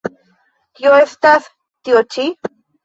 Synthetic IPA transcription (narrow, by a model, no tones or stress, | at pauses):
joest̪aθ | t̪iot͡ʃi